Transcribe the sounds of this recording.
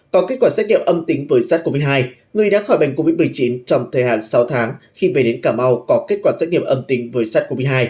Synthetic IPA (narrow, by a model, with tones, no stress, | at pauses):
kɔ˨˦ke˦˥kwaː˧˩saː˦˥t̚ŋḭ˧əmʔə˧mt̪ï˨˦ŋvəː˨˦jsaː˦˥t̚ko˧mi˧jɦaː˧j | ŋɨ˨˩əjɗa̰ː˧˥xɔ˧˩jɓa˨˩ŋ̟ko˧vi˦˥t̚m˨˩əjt͡ɕi˨˦nt͡ɕɔ˧wŋ͡mt̪ʰəː˨˩jha̰ː˧˨nsa˨˦wt̪ʰaː˨˦ŋxi˧ve˨˩ɗe˨˦nkaː˧˩ma˧wkɔ˨˦ke˦˥t̚kwaː˧˩saː˦˥ŋḭ˧˨əmʔə˧mt̪ï˨˦ŋvəː˨˦jsaː˦˥t̚ko˧mi˧jɦaː˧j